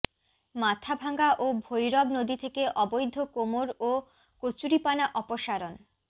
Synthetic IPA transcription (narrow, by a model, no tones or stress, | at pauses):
mat̪ʰabʱaŋɡaʔobʱojɾɔbnod̪it̪ʰekeʔɔbojd̪ʱːokomoɾo | kot͡ɕuɾipanaʔɔpoʃaɾon